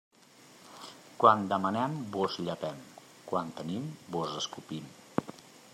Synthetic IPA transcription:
kwand̪əmənɛmbozʎəpɛm | kwant̪ənimbozəskupim

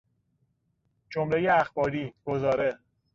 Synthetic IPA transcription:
d͡ʒomɾejeæxbɒːɾiːɡ̥ozɒːɾe

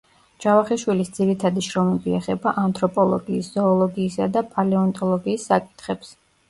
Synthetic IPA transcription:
d͡ʒavaχiʃwilisd̪z̥iɾit̪ʰad̪iʃɾɔmɛbiɛχɛbaʔant̪ʰɾɔpʼɔlˠɔ̰ɡiːsz̥ɔːlˠɔɡiːsad̪apʼalɛɔnt̪ʼɔlˠɔɡiːsːakʼi̥t̪ʰχɛps

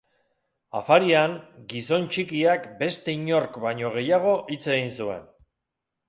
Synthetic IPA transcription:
a̰faɾiaŋɡiso̞nt͡ʃikiakbe̞st̪e̞iɲo̞ɾkbajɲo̞ɣ̞e̞jaɣ̞o̞ʔit͡se̞ɣinsue̞̰n

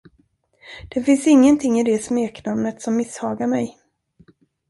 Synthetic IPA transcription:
d̪̥ɛfɪnsɪŋːənt̪ʰɪŋːɪd̪ɛsmeːknamnət̪sɔmːɪshɑːɡaɾmɛj

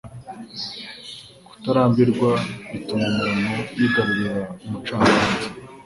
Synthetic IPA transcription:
ɡ̥u̥taɾaːmbiɾɡwaitumumuɾamojiɡaɾuɾiɾaumut͡ʃaːŋaːzi

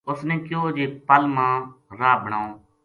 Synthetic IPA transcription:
ʊsnẽːkjoːd͡ʒeːpəlmãːɾaːbəɽ̃aːõː

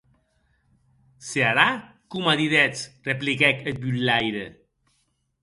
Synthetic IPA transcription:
seaɾa | kumaðiðɛt͡sreplikɛkət̪̚bylːajɾə

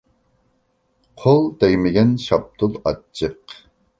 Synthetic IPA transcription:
qʰolˠd̪ɛjmɪɡʲɛnʃɑp̚t̪ʰʊlˠɑt͡ʃʰːəq

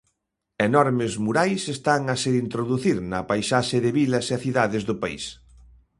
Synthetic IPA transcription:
enɔɾmɪzmuɾajsest̪aŋɐseint̪ɾoðuθiɾnɐpajsaʃeðɪβilɐseaθiðaðɪzðʊpaḭs

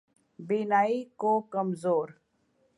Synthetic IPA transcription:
binaːikokəmzoːɾ

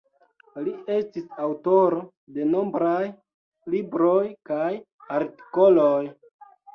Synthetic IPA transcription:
lie̞stisawto̞ɾo̞ | de̞no̞mbɾaj | libɾo̞jkaj | aɾti̥ko̞loj

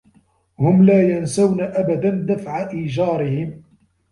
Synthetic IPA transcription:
hʊmlaːjansawnaʔabad̪and̪afʕaʔiːd͡ʒɑːɾɪhɪm

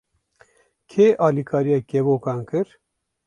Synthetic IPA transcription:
kʰeːʔɑːlikʰɑːɾijaːkevoːkɑːnkɨɾ

